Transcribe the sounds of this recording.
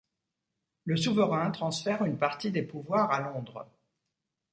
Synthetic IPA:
ləsuvəʁɛ̃t̪χɑ̃sfɛʁynpaʁt̪id̪epuvwaʁalɔ̃d̪ʁ

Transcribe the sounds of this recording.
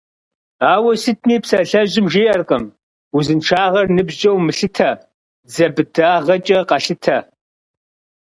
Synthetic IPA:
aːwɐsɨtʰniːpsɐɬɐʑɪmʒeːʔɐrqʼɐm | uzɨnʈ͡ʂʰaːʁɐrnɨbʑd͡ʒʼɐwmɨɬɨtʰɐ | zɐbɨdaːʁɐt͡ʃʼɐqɐɬɨtʰɐ

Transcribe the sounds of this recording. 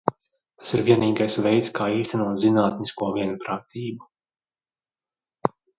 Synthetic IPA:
t̪ḁsiɾviɛniːɡajsvɛjt̪skaːiːst̪ɛnuɔt̪zinaːt̪niskuɔviɛnpɾaːt̪ʰiːbu

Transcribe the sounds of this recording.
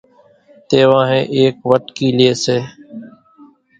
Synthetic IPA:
t̪eːʋãːɦẽːʔeːkʋəʈkiːlɪeːseː

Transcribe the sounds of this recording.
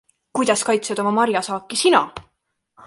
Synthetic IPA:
kujd̪̥ɑskɑjt̪sed̪̥o̞mɑmɑɾjɑsɑːkːˑisinɑ̰

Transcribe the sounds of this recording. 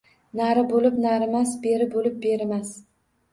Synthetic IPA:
naɾɪbolɪpnaɾɪmasbe̞ɾɪbolɪp̚be̞ɾɪmas

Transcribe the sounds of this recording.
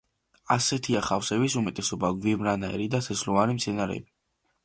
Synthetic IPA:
asɛt̪ʰiaχafsɛbisumɛt̪ʼɛsɔbaɡwimɾanaɛ̰ɾid̪asɛslɔvaɾimt̪sʰɛnaɾɛ̰bi

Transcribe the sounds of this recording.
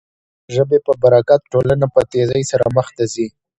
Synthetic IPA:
ʒəbepəbaɾakat̪̚ʈolanapət̪ezajsaɾa̰məxt̪azi

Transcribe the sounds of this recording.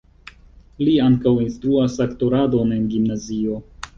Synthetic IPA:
liaŋkawinst̪ɾuasakto̞ɾado̞ne̞nɡimnazio̞

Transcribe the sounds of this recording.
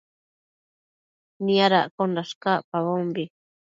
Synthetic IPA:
niaɾa̰ʔkonɾaʃkaʔpaβombi

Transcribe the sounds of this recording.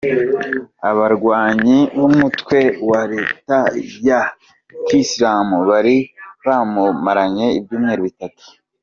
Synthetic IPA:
aβaɾɡwaːɲiβumutwe̞waɾe̞ːtaja | kislaːmuβaɾiβaːmumaɾaɲe̞ib̚juːmŋeːɾiβitatu̥

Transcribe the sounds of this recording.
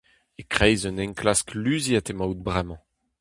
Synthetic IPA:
ekχɛjzønɛ̃ŋklasklyːziat̪emawt̪̚bʁɛmɑ̃

